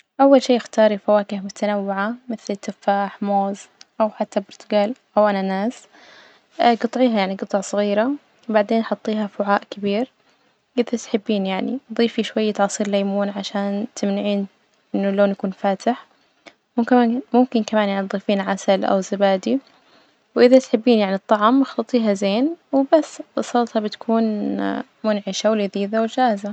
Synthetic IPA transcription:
ʔawːalʃeːjɪxt̪ɑːɾˤifawaːkɪhmʊt̪ʰanawːɪʕamɪθlɪt̪ːɪfaːħmoːzʔawħat̪ːabʊɾt̪ʊɡaːlʔawʔananaːs | ɡɨt̪ˤʕiːɦajaʕniɡɨt̪ˤʕɑsˤɨɣiːɾa | wbaʕd̪eːnʔħʊt̪ˤːiːɦafʊʕaːʔkɪbiːɾ | ɡɪðat̪ħɪbːiːnjaʕniðˤiːfiʃwajːat̪ʕɑːsˤiːɾlajmuːnʕaʃaːnt̪ʰɪmnɪʕiːn | ʔɪnːuloːnjakuːnfaːt̪ɪħ | mʊmkːmʊmkɪnkamaːnjaʕniðˤiːfiːnʕasalʔa̰wzabaːd̪i | wʔɪðat̪ħɪbːiːnjaʕnit̪ˤːɑʕɑmɪxlɑt̪ˤiːɦazeːnwɪbasːbɑsˤɑːt̪ˤhɑbɪt̪ḁkʰuːn | mʊnʕɪʃawɪlɪðiːðawɪld͡ʒaːhza

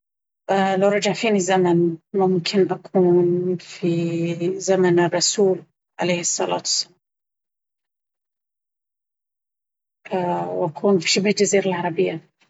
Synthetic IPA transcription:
ʔlawɾˤɑd͡ʒɑʕfiːnizamanmʊmkʰɪnʔakʰuːnfizamanɪrˤːɑsuːl | ʕalejhɪsˤːɑla̰ːt̪wḁsːalaːm | wʔakʰuːnfi̥ʃɪbhld͡ʒaziːɾalʕɑɾˤɑbɪjːa

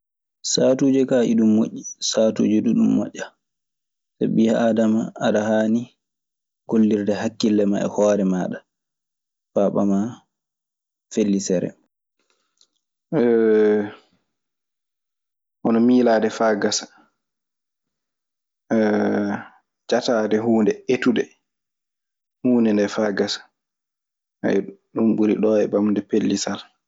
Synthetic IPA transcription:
satuːd͡ʒɛkaːʔḭɗumːo̰ʔːisaːtṵːd͡ʒɛɗuɗumːɔ̰ʔːa | sa̰ɓihaadamaaɗahaːni | ɡ̥olːiɾdɛhakːilːɛma̰ʔɛ̰hɔːɾɛmaːɗa | faɓama | felːisɛɾɛ̰ | ɛ | ʔɔnɔmiːlaːdɛfaɡasḁ | d͡ʒataːdɛɦuːndɛetudɛ | huːndɛndɛfaɡasḁ | a̰jɗumɓuɾḭɗɔɛbamndɛpelːisal

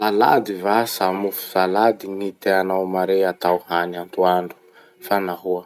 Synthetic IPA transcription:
lala̰d̪ivasamufu̥salad̪init̪eanawmaɾeat̪awhanant̪uaɳɖ͡ʐu̥ | fanaɦuə

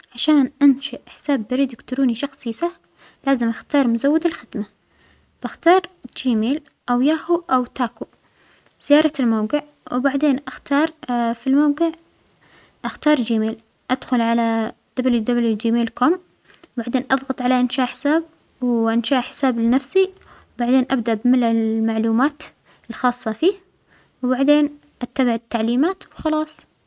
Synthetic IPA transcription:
ʕaʃaːnʔanʃaʔħɪ̥saːbːɪɾiːd̪ɪkt̪ʊɾuːniʃɑxsˤiːsɑħ | laːzɪmʔaxt̪ɑːɾˤmʊzawːɪd̪ɪlxɪd̪̥ma | b̥axt̪ɑːɾˤd͡ʒiːmeːl | ʔawjaːhuʔawt̪aːku | z̥ɪjɑːɾˤɑlmawɡɪʕ | wɪbaʕd̪eːnʔaxt̪ɑːɾˤfilmawɡɪʕ | ʔaxt̪ɑːɾˤd͡ʒiːmeːl | ʔad̪̥xʊlʕalad̪̥abljud̪abljud͡ʒiːmeːlkʊm | baʕd̪eːnʔɑðˤɣɑt̪ˤʕalaʔɪnʃaːʔħɪ̥saːb̚ | wʔɪnʃaːʔħɪ̥saːblɪnafsi | wbaʕd̪eːnʔabd̪aʔbmɪnɪlmaʕluːmaːt̪ | ɪlxɑːsˤːɑfiːh | wbaʕd̪eːn | ʔat̪ːabaʕɪt̪ːaʕliːmaːt̪wxɑlɑːsˤ

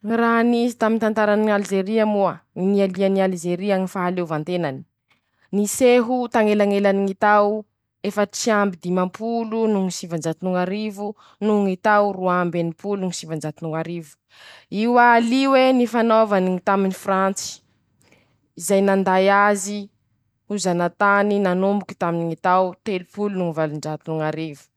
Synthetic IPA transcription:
raɦnizit̪amint̪ant̪aɾaniald͡ʒeɾiamuainialianialid͡ʒeɾiaŋifaɦalewvant̪enani̥ | niseɦut̪aŋelaŋelaniŋit̪aw | efəʈ͡ʂiambid̪imampʰulunuŋisivand͡ʒat̪inuŋaɾivu | nuŋit̪awruambenipuluŋisivaɳd͡ʒat̪inuŋaɾivu̥ | iwaliwenifanovaniŋit̪aminifrant͡si̥ | izajnand̪ajazi | huzanat̪aninanumbuki̥t̪aminiŋit̪awt̪elupulunuŋivalunɖ͡ʐat̪inuŋaɾivu̥

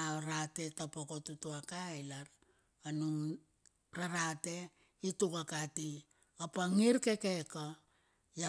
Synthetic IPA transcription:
aoɾate̞tapokotutuakajlaɾ | anuŋ | ɾaɾate̞ | itukakati | opaŋiɾke̞keko | ja

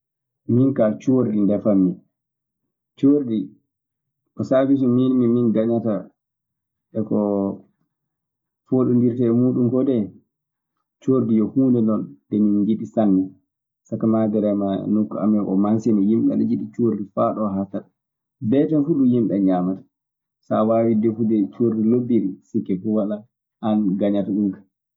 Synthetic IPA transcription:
minkat͡ʃoɾdindɛfamːi | t͡ʃoɾdi | kɔsabis̬uminmiminɡaɲata | ʔɛkɔ | foɗundiɾtɛːmuːɗumkɔdɛ | t͡ʃoɾdijɔhuːndɛnɔndɛmind͡ʒiɗisanːi | sakamadɛɾɛma̰nukːua̰mɛʔɔ̰mansinɔjimɓɛ̰nɛd͡ʒiɗit͡ʃoɾdifaɗɔɦatat | bɛtɛnfuɗujimɓɛɲamatḁ | sawawidɛfudɛt͡ʃoɾdilobiɾisikːɛfuwala | anɡaɲataɗumkḁ

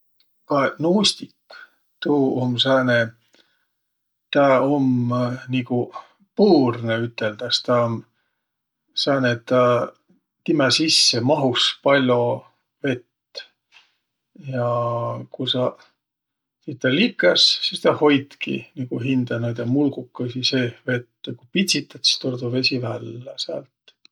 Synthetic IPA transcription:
kɑnuːst̪ikː | t̪uːomsæːne | t̪ɑomniɡu | puːrneyt̪ːˑeld̪̥ɑst̪ɑom | sɑːnet̪ːɑ | t̪imæsisːemɑɦuspɑlʲo̞ | ve̞t̪ː | jɑkusɑ | siːt̪t̪ːɑlikːˑɑssist̪ɑho̞jd̪kḭniɡ̥uɦind̪̥ɑnod̪̥jɑmulɡukːɑsiseːve̞t̪ːekupit̪ʲsit̪ːˑɑt̪st̪ord̪uve̞sivælːæsæ̰ːlt̪

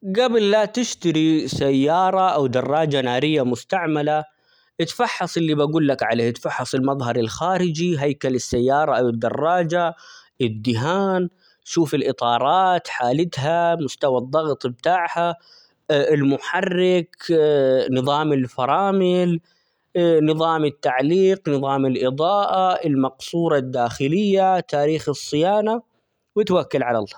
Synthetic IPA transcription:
ɡabɪlːat̪ɪʃt̪aɾisajːɑːɾˤɑʔawd̪ɑrˤːɑːd͡ʒanaːɾɪjːamʊst̪aʕmala | ʔɪt̪fɑħːɑsˤɪlːibaɡuːlːakʕaleːhʔɪt̪fɑħːɑsˤɪlmɑðˤɦɑɾˤɪlxaːɾɪd͡ʒiɦajkalɪsːajːɑːɾˤɑʔawɪd̪ːɑ̰rˤːɑːd͡ʒaʔɪd̪ːɪɦaːn | ʃuːfɪlʔɨt̪ˤɑːɾˤɑːt̪ħaːlɪt̪ɦamʊst̪awɑd̪ˤːɑɣt̪ˤb̚t̪aːʕha | ɪlmʊħarːɪk | nɨðˤɑːmɪlfɑɾˤɑːmɪl | nɨðˤɑːmɪt̪ːaʕliːqnɨðˤɑːmɪlʔɨðˤɑːʔaɪlmɑqsˤuːɾˤɑd̪ːaːxɪlɪjːat̪aːɾiːxɨsˤːɪjaːna | wɪt̪wakːalʕala̰l

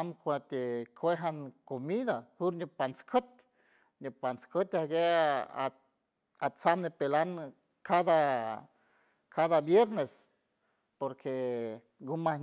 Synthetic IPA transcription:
amkʷat̪ekʰʷweɦankomiðahuɾɲʲupant͡skʰət̪̚ | ɲopant͡skət̪aɡḛ | at͡samnepelan | kʰad̪a | kʰaðabjeɾnes | poɾkʰe | ɡuma

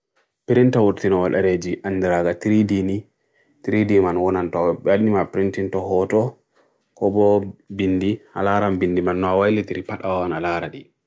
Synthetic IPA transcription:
piɾintawuɾtinɔwaɗaɾed͡ʒiʔanːdiɾaɡatiɾidini | tɾidimanwɔnantɔbadimapɾintintɔhɔtɔ | kɔbɔbinːdialaɾambinːdimanːɔawajlitiɾipaɗawanalaɾaɗi

